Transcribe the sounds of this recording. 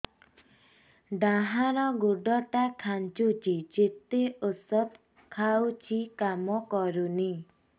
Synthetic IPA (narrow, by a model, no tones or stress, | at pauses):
ɖ̪aɦaɾɔɡuɖɔʈakʰant͡ʃut͡ʃid͡ʒet̪eosɔp | kʰawt͡ʃʰikamɔkɔɾuni